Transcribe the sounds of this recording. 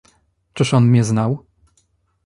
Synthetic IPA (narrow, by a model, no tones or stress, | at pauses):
t͡ʂɘʂɔnmʲɲɛznaw